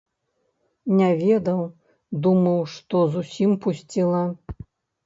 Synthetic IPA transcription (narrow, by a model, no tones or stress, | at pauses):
nʲavʲɛd̪ɐw | d̪umɐwʂt̪ɔzusʲimpusʲt͡sʲilˠɐ